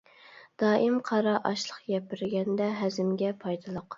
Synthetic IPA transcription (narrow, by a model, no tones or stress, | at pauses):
d̪̥ɑːʔɨmqʰɑɾɑʔɑʃlˠəqɡʲɛpɪɾɡʲɛnd̪ɛɦæzɪmɡʲɛpʰɑjd̪ɨlˠoq